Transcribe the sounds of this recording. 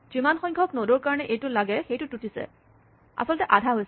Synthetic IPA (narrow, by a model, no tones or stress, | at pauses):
z̥imanxɔjŋkʰɔknoduɹkaɹɔnɛʔejtʊlaɡɛxejtʊtutisɛ̰ | a̰sɔltɛʔadʱaɦojs